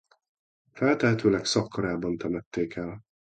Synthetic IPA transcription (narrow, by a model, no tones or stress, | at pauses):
fɛlt̪ɛɦɛt̪øːlɛksɒkːɒɾaːbɒnt̪ɛmɛt̪ːeːkɛl